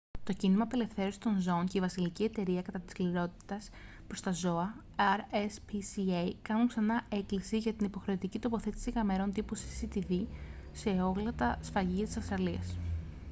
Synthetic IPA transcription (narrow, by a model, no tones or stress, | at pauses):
t̪o̞cinimɐpe̞le̞fθe̞ɾosi̥st̪o̞nzo̞once̞ivɐsilicie̞t̪e̞ɾiɐkɐt̪ɐt̪iskliɾo̞t̪i̥t̪ɐs | pɾo̞st̪ɐzo̞ɐ | ɐɾespisiejkɐnuŋksɐnɐe̞klisiʝɐt̪inipo̞xɾe̞ot̪icit̪o̞po̞θe̞t̪i̥sikɐme̞ɾo̞nd̪iposi̥sit̪iðise̞o̞ɣlɐt̪ɐsfɐʝiɐt̪i̥sɐfst̪ɾɐliɐs